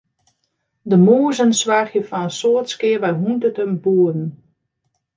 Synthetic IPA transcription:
dəmoːəzənsʋaχjəfɔnənsoətskɪərʋɛjɦuntətəmbuədn̩

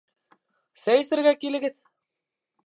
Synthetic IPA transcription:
sæjɘ̆sɘ̆ɾɡækilɘ̆ɡɘð

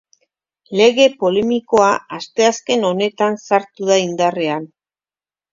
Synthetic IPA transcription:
le̞ɣe̞po̞le̞miko̞aast̪e̞aske̞no̞ne̞t̪ansaɾt̪uðaind̪are̞an

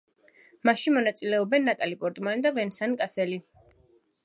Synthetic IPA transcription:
maʃimɔnat̪sʼilɛɔbɛnːat̪ʼalipʼɔɾt̪ʼmanid̪avɛnsankʼasɛli

